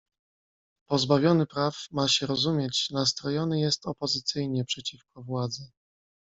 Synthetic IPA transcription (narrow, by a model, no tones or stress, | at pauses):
pɔzbavʲjɔnɘpɾafmaɕɛɾɔzumʲjɛt͡ɕnast̪ɾɔjɔnɘjɛst̪ɔpɔzɘt̪sɘjɲɛpʂɛt͡ɕifkɔvwad̪zɛ